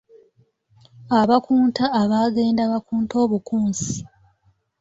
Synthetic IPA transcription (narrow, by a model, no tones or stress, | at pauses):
aβakuːntaːβaːɡe̞ːndaβakuːnto̞ːβukuːnsi̥